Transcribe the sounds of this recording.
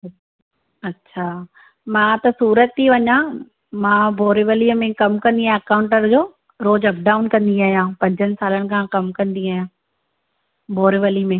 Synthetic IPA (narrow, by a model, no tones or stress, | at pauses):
ɐtːɕʰaː | mãːt̪ɐsuːɾət̪ʰːiʋɐɲã | mãːbʱoːɾɪʋəliəmẽkɐmkɐ̃nd̪iaːjãɐkaːʊ̃ɳʈəɾd͡ʑoː | ɾoːd͡ʑɐp̚ɖaːʊnkɐ̃nd̪iaːɦijãːpɐ̃ɲd͡ʑənɪ̆saːlənɪ̆kʰãkɐmkɐ̃nd̪iaːɦijãː | bʱoːɾɪʋəlimẽ